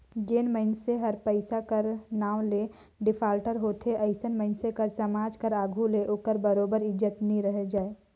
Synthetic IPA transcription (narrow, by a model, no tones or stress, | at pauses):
ɡeːnməɪnseɦəɾpəɪsakəɾnaːw̃le | ɖɪpʰaːlʈəɾɦoːt̪ʰeʔəɪsənməɪnsekəɾsəmaːd͡ʒkəɾaːɡʱuleʔoːkəɾbəɾoːbəɾɪd͡ʒət̪nəĩɾəɦed͡ʒaːe